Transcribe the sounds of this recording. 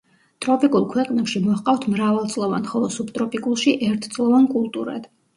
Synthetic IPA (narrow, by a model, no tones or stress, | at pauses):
t̪ʼɾɔpʼikʼulˠkʰwɛqʼnɛpʃimɔqʼaft̪ʰmɾavalˠt̪sʼlˠɔva̰nχɔlˠɔsubt̪ʼɾɔpʼikʼulˠʃiʔɛɾt̪ʰt̪sʼlˠɔvankʼulˠt̪ʼuɾa̰d̪̥